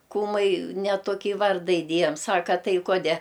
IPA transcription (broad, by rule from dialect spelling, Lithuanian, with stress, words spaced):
ˈkuːmɐɪ nʲɛ toːˈkʲiː ˈʋɐrdɐ ɪˈdʲeːjɛm ˈsɑːkɐ ˈtɐɪ ˈkoːdʲɛ